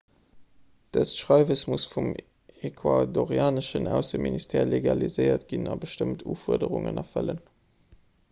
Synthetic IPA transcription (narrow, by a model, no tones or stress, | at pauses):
d̥əsʃʁɑɪvəsmusfum | ekʰwadoʁjaːnəʃənæʊsəministʰɛːleɡɑlizəɪɐtɡ̥inɑbəʃtəmtʰuːfuɐdəʁuŋə̰nɑfələn